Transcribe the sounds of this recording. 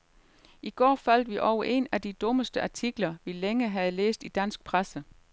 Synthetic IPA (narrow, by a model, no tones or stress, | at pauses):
ʔiɡ̥ɒ̰ːfæl̰d̥ʋiʔɒʊ̰ɐʔe̝næd̥id̥ɔ̽məsd̥əʔɑ̈t͡sʰiɡ̥lɐʋileŋəɦæð̞̩ˠlḛːsd̥id̥æn̰sɡ̥̚pʰʁasə